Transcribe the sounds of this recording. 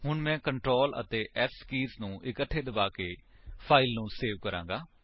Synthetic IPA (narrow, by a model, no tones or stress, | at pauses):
ɦʊɳmɛ̃ːkəɳʈɾoːlə̰t̪eːʔɛskiːsnũːʔɪkəʈʰːeːd̪əbaːkeːpʰaːɪlnũːseːʋkəɾã̰ːŋɡaː